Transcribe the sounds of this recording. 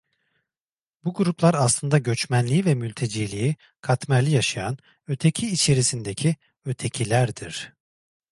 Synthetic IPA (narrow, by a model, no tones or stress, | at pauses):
buɡuɾuplˠaɾaslˠɯnd̪aɟø̞t͡ʃmænlʲiivɛmylʲt̪ʰe̞d͡ʒiːlʲiji | kʰat̪mæɾlʲijaʃajan | ø̞t̪ʰe̞cʰiːt͡ʃʰe̞ɾisind̪ecʰi | ø̞t̪ʰe̞cʰilʲæɾd̪iɾ̝̥